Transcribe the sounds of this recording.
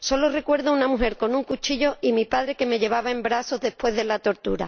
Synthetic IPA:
so̞lo̞re̞kwe̞ɾðounamuɦe̞ɾko̞nuŋkut͡ʃiʎo̞imipaðɾe̞ke̞me̞ʎe̞β̞aβaembɾaso̞ðe̞spwe̞ðelat̪o̞ɾt̪uɾa̰

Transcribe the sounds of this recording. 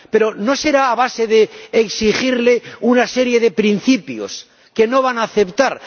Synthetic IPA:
pe̞ɾo̞no̞se̞ɾaːβ̞ase̞ðeːksixiɾleunase̞ɾje̞ðe̞pɾinθipjo̰s | ke̞no̞β̞anaːθe̞pt̪aɾ

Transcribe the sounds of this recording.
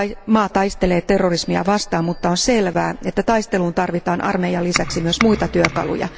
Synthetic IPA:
mɑːt̪ɑjst̪eleːt̪erːorismiɑ̰ʋɑst̪ɑːmmut̪ːɑonselʋæːet̪ːæt̪ɑjst̪e̞luːnt̪ɑrʋit̪ɑːnʔɑ̰rmejɑlisæksimyøsmuit̪ɑt̪yøkɑ̰lṵjɑ̰

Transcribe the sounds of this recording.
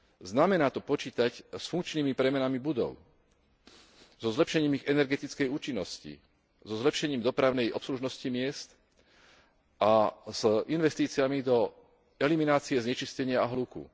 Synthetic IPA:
znamɛnaːt̪ɔpɔt͡ʃiːt̪acsfuŋkt͡ʃniːmipɾɛmɛnamibud̪ɔ̰ʊ | zɔzlɛpʃɛɲiːmiɣɛnɛɾɡɛt̪it͡skɛjuːt͡ʃinːɔscḭ | zɔzlɛpʃɛɲiːmd̪ɔpɾaʊnɛjʔɔpsluʒnɔscimɪɛst̪ | ʔaz̥inʋɛst̪iːt͡siamid̪ɔ | ɛliminaːt͡siɛzɲɛt͡ʃiscɛɲɪaaɦlukṵ

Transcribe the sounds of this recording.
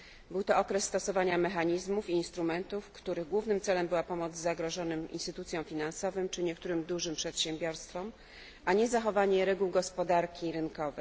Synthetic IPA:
bɘwt̪ɔɔkɾɛsːt̪ɔsɔvaɲamɛxaɲizmufiːnst̪ɾumɛnt̪ufkt̪uɾɘɣɡwuvnɘmt̪sɛlɛmbɘwapɔmɔd̪zzaɡɾɔʐɔnɘmʔḭnst̪ɘt̪ut̪sʲjɔ̃w̃fʲinansɔvɘmt͡ʂɘɲɛk̚t̪uɾɘmd̪uʐɘmpʂɛt̪ɕɛmbʲjɔɾst̪fɔm | ʔaɲɛzaxɔvaɲɛɾɛɡuwɡɔspɔd̪aɾkʲiɾɘnkɔvɘx

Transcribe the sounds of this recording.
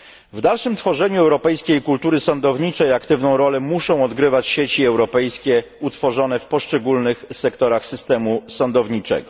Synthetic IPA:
vd̪alʂɘmt̪fɔʐɛɲuɛwɾɔpɛjskʲejkult̪uɾɘsɔnd̪ɔvɲit͡ʂɛiakt̪ɘvnɔ̃w̃ɾɔlɛmuʂɔ̃w̃ɔd̪ɡɾɘvat͡ɕɕet͡ɕiɛwɾɔpɛjskʲɛ | ut̪fɔʐɔnɛfpɔʂt͡ʂɛɡulnɘxsɛkt̪ɔɾaxsɘst̪ɛmusɔnd̪ɔvɲit͡ʂɛ̰ɡɔ

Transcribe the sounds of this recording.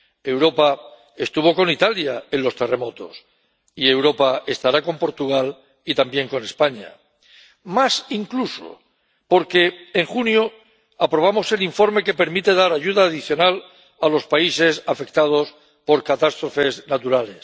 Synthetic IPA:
e̞wɾo̞pa | e̞st̪uβo̞ko̞nit̪aljaenlo̞st̪e̞re̞mo̞t̪o̞̰s | ie̞wɾo̞pae̞st̪aɾako̞mpo̞ɾt̪uɣ̞al | it̪ambje̞ŋko̞ne̞spaɲa̰ | masiŋkluso̰ | po̞ɾke̞ːŋxunjo | apɾo̞β̞amo̞se̞liɱfo̞ɾme̞ke̞pe̞ɾmit̪e̞ðaɾaʝuðaːð̞iθjo̞nal | alo̞spaise̞safe̞kt̪að̞o̞s | po̞ɾkat̪ast̪ɾo̞fe̞znat̪uɾale̞s

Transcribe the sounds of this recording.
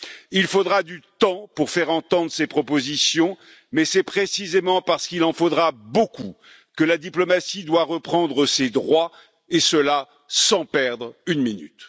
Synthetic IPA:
ilfod̪ʁad̪yt̪ɑ̃puʁfɛʁɑ̃t̪ɑ̃d̪ʁəsepχɔpozisjɔ̃ | mɛsɛpχesizemɑ̃paʁsə̥kilɑ̃fod̪ʁaboku | kəlad̪iplɔmasid̪waʁəpχɑ̃d̪ʁəsed̪ʁwa | esəla | sɑ̃pɛʁd̪ʁynminy̰t̪

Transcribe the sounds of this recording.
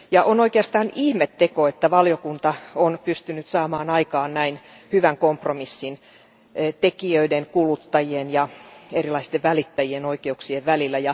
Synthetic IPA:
jɑʔonoikeɑst̪ɑːnihmet̪ːekoet̪ːæʋɑljokunt̪ɑonpyst̪ynyt̪sɑːmɑːnɑikɑːnnæinhyʋæŋkompromisːin | t̪ekiøideŋkulut̪ːɑjienjɑerilɑist̪eʋʋælit̪ːæjienoikeuksieʋʋælilːæjɑ

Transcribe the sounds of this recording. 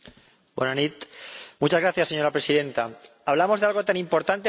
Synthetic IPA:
bwenanit̪mut͡ʃazɣɾaθjasːe̞ɲo̞ɾapɾe̞siðe̞nt̪aaβ̞lamo̞zðe̞alɣo̞t̪anĩmpo̞ɾt̪ant̪e

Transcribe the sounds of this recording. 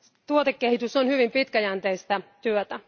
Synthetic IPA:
t̪uot̪ekːehit̪ysonhyʋimpit̪kæjænt̪eist̪ɑt̪yøt̪æ

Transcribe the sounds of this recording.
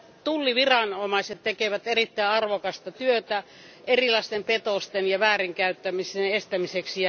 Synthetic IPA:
t̪ulːiʋirɑnomɑiset̪t̪ekeʋæt̪erit̪ːæiɑrʋokɑst̪ɑt̪yøt̪æ | erilɑist̪empet̪ost̪enjɑʋæːriŋkæyt̪ːæmisenest̪æmiseksiɑ

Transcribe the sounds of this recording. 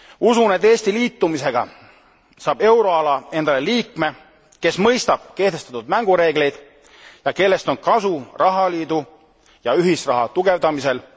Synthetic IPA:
usuned̪e̞ːsʲt̪iliːt̪ːumise̞ɡ̥ɑ̰ | sɑːb̥e̞wɾo̞ɑlɑe̞nd̪̥ɑleliːkme̞ | ke̞smɤ̞jst̪ɑb̥ke̞ht̪est̪ɑt̪ud̪̥̚mæŋɡ̥uɾe̞ːɡ̥le̞jd̪̥ | jɑke̞lːe̞st̪o̞nkɑsurʔɑɦɑliːd̪̥u | jɑyɦisrɑɦɑt̪uɡe̞vd̪ɑmise̞l

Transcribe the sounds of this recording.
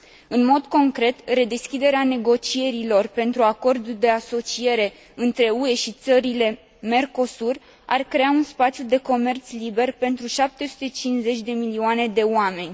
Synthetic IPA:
ɨnmo̞d̪ko̞ŋkɾe̞t̪re̞d̪e̞skʲid̪e̞ɾeane̞ɡo̞t͡ʃie̞ɾilo̞rpe̞nt̪ɾuako̞rd̪uld̪e̞aso̞t͡ʃie̞ɾe̞ | ɨnt̪ɾe̞ue̞ʃit̪səɾile̞ | me̞rko̞sur | arkɾe̞aunspat̪sjud̪e̞ko̞me̞rt̪slibe̞rpe̞nt̪ɾuʃap̚t̪e̞su̥t̪e̞t͡ʃinze̞t͡ʃʲd̪e̞milioane̞d̪e̞oame̞nʲ

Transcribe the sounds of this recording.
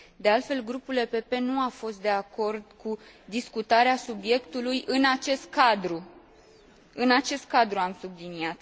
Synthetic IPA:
d̪e̞alt̪fe̞lɡɾupulepe̞pe̞nuafo̞st̪̚d̪e̞ako̞rd̪ku | d̪iskut̪aɾeasubje̞kt̪ulujʔɨnat͡ʃe̞st̪̚kad̪ɾu | ɨnat͡ʃe̞st̪̚kad̪ɾuamsubliniat̪

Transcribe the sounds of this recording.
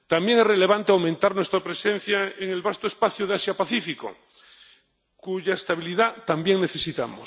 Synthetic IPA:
t̪ambjeŋerele̞β̞ant̪eawmẽnt̪aɾnwest̪ɾapɾesẽ̞n̟θjaeŋelβast̪oespaθjuð̞easjapaθifiko̰ | kuʝaest̪aβiliðat̪ambje̞ŋne̞θe̞sit̪amo̰s

